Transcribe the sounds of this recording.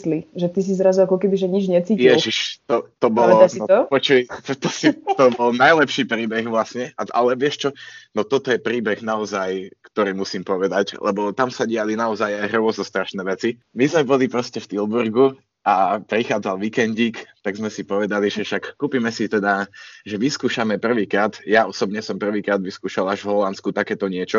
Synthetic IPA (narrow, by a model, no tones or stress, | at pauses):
sliʒɛt̪is̬izɾazuakɔkɛbiʒɛɲid͡ʒɲɛt͡siːjɛʒiʃt̪ɔt̪ɔbɔlɔnɔpɔt͡ʃut̪ɔsit̪ɔbɔlˠnajlɛpʃiːpɾiːbɛɣʋlasɲɛʔaʔa̰lɛʋɪɛʃt͡ʃɔnɔt̪ɔt̪ɔjɛpɾiːbɛɣnaɔzajkt̪ɔɾiːmusiːmpɔʋɛd̪aclɛ̰bɔt̪amsaɟɪalinaɔzajajɦr̩ʊɔznɔst̪ɾaʃnɛːʋɛt͡simizmɛbɔlipɾɔscɛft̪ilˠbuɾɡu | ʔapɾixaːd͡zalʋikɛnɟiːkt̪aɡzmɛsipɔʋɛd̪aliʒɛʃakːuːpiːmɛsit̪ɛd̪aʒɛʋiskuːʃamɛpr̩ʋiːkɾaːd̪jaɔsɔbɲɛsɔmpr̩ʋiːkɾaːd̪ʋiskuːʃalaʒvɦɔlanskut̪akɛːt̪ɔɲɪɛt͡ʃɔ